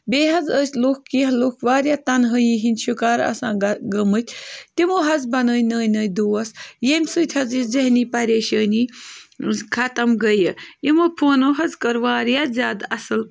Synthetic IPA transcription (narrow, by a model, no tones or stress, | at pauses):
beːɦɐzəsʲlukkːiɦlukʰʋaːɾjat̪ɐnɦəjiɦinʲʃukaːɾɐ̰sãːɡɐmɨt̪ʲʰt̪imoːɦɐzbɐnəːjnəːjnɐːjd̪uːɐsjemʲsut̪ʲʰhɐzizɐɦniːpɐɾeːʃəːni | kʰɐt̪ɐmɡəjəimopʰoːnoɦɐzkəɾʋaːɾjazʲaːd̪ɐsɨl